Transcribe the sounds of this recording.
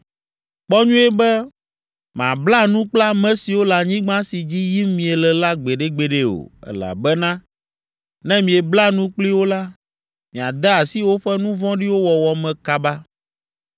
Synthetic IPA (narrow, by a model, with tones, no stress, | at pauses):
k͡pɔ˦ɲũ˦ɛ˦bɛ˦ | mã̰˨bla˦nũ˦k͡pla˦mɛ̃˦si˨wo˦la˨ɲĩ˦ɡ͡bã˦si˨d͡ʑi˦ji˦mmĩ˨e˨lɛ˨la˦ɡ͡be˨ɖe˦ɡ͡be˨ɖe˦o̰˨ɛ̰˨la̰˨bɛ˦nã˦ | nɛ̃˦mĩ˨e˨bla˦nũ˦k͡pli˦wo˦la˦ | mĩ˨a˨d̪a˦a˨si˦wo˦ɸɛ˦nũ˦vɔ̃˦ɖi˦wo˦wɔ˨wɔ˨mɛ̃˨ka˨ba˦